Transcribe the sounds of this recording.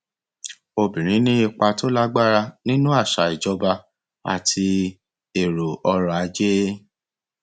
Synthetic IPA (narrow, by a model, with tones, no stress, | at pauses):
o˧bĩ˨ɾ̃ĩ˨˦nĩ˦i˧k͡pa˧to˦la˦ɡ͡ba˦˨ɾa˧nĩ˦nũ˦a˦˨ʃa˨i˨d͡ʒɔ˨˦ba˧ | a̰˨tʰi˧ | e˨ɾo˨ɔ˧ɾɔ˧˨a˨˧˦d͡ʒe˦